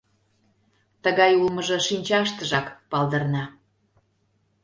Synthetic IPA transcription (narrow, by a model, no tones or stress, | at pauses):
t̪əɣɑjulmə̆ʒɤ̆ʃinʲt͡ɕɑʃt̪ə̆ʒɑkpɑld̪ə̆rnɑ